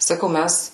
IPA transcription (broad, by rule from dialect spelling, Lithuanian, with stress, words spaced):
sɐˈkɐʊ ˈmʲæs